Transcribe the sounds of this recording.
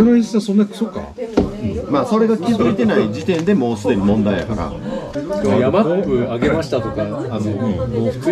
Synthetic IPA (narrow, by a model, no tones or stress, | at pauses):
oɾoisãsonːakɯ̟̥soka̰ | maːso̞ɾe̞ɡakʲizɨit̪e̞naid͡ʑit̪ẽ̞nd̪e̞mo̞ːsɨd̪e̞mʲimõ̞nd̪aid̪a̰kaɾa̰ | jamapɯ̟aɡe̞maɕi̥t̪at̪o̞kaːno